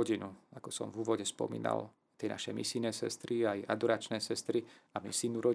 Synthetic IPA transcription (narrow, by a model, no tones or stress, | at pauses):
ɔɟinuakɔsɔ̰mvuːʋɔɟɛspɔ̰mḭːna̰l | t̪ɛna̰ʃɛmḭsinɛːsɛ̰st̪ɾiajad̪ɔɾaːt͡ʃnɛːsɛst̪ɾiamisiːnuɾɔ